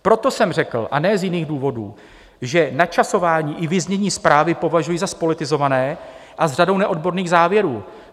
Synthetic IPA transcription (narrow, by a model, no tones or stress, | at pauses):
pɾo̞t̪o̞sɛmrɛkl̩ʔa̰nɛːzjɪniːɣduːvo̞dṵː | ʒɛnat͡ʃaso̞vaːɲiːʔɪvɪzɲɛɲiːspɾaːvɪpo̞vaʒujizaspo̞lɪt̪ɪzo̞vanɛːʔazr̝ado̞wnɛʔo̞dbo̞ɾniːɣzaːvjɛɾuː